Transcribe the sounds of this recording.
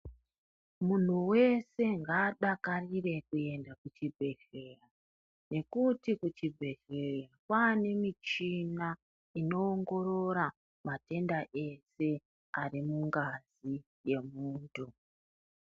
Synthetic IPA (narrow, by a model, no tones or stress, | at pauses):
mun̤uwe̞se̞ŋɡaːɗakarire̞kue̞ndakut͡ʃibʱe̞ɬe̞ra | ne̞kutikut͡ʃibʱe̞ɮerakwane̞mit͡ʃina | ino̞ːŋɡo̞ɾo̞ɾa | mate̞ndaʔe̞se̞ | arimuŋɡazi | je̞muːntʰu